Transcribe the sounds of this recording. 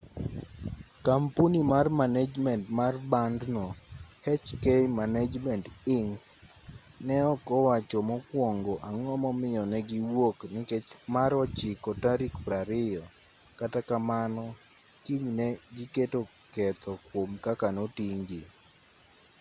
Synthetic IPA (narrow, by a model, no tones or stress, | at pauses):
kampunimarmanad͡ʒmɛntmarbandnohɛt͡ʃkejmanad͡ʒmɛntɪŋk | nɛɔkɔwat͡ʃɔmɔkwɔŋɡoʔaŋɔmɔmɪjɔnɛɡiwoknɪkɛt͡ʃmaɾɔt͡ʃɪkɔtaɾikpɾaɾɪjɔ | katakamanɔ | kiɲnɛɡiketo | kɛt̪ɔkwomkakanotiŋɡi